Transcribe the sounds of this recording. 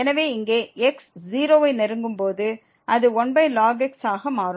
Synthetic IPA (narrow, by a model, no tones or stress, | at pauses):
ɛnɐʋeːɪŋɡeːɛksd͡ʒiːɾoːʋɐɪnɛɾɯŋɡɯmpoːðɯ | ʔɐðɯɔnbɐɪlaːɡɛksaːɣɐmaːɾ